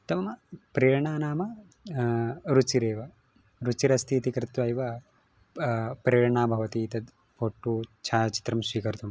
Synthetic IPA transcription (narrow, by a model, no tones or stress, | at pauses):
t̪ɐmɐmɐpɾeːɾɐɳaːnaːmɐ | ɾut͡ʃiɾeːʋɐ | ɾut͡ʃiɾɐst̪ʰiːt̪ikɾɪt̪ʋɐjʋɐ | pɾeːɾɳaːbʱɐʋɐt̪iːt̪ɐd̪ | pʰoːʈːuːt͡ʃʰaːt͡ʃi̥t̪ɾɐmsʋiːkɐɾt̪um